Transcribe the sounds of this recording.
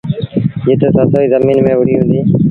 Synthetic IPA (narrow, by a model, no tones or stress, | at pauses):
d͡ʒɪt̪eːsaːt̪ʰoːiːzəmiːnmẽːʋʊɽiːɦũːnd̪iː